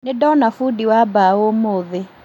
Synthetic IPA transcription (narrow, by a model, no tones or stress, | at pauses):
nedɔnafudiwabaomoðe